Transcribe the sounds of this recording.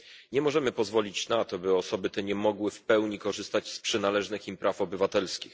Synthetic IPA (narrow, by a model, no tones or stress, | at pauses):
ɲɛmɔʐɛmɘpɔzvɔlʲit͡ɕnat̪ɔbɘɔsɔbɘt̪ɛɲɛmɔɡwɘfpɛwɲikɔʐɘst̪ad͡ʑspʂɛnalɛʐnɘximpɾʔafɔbɘvat̪ɛlskʲix